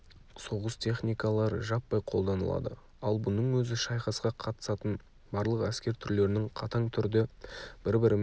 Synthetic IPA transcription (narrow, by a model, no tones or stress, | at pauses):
so̞ʁəst̪ʲʰe̞χnijkɑlˠɑɾə̰ʒɑpːɑjqʰo̞lˠd̪ɑnəlˠɑ̰d̪ə̰ | ɑlˠbʊnəɴwɵzɪʃɑjχɑsqɑqʰɑt̪ə̥sɑt̪ən | bɑɾlˠəqæskʲe̞ɾt̪ʰʏɾle̞ɾɪnɪŋqʰɑt̪ɑɴt̪ʰʏɾd̪ɪb̥ɪɾbɪɾɪm